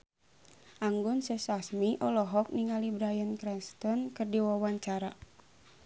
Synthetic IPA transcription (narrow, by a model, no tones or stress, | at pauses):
ʔaŋɡʊnsɛsasmiʔɔlɔɦɔk̚niŋalibɾajənkɾɛnst̪ɔnkɨrdiwawaɲt͡ʃaɾa